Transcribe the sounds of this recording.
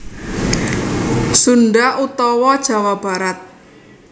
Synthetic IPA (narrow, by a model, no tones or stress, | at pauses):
sunɖaʔut̪ɔwɔd̥ʒ̥a̤wab̥a̤ɾat̪̚